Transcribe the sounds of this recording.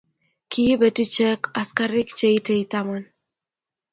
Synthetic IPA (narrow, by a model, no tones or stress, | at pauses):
kiibetit͡ʃekaskaɾikt͡ʃejt̪ʰejt̪aman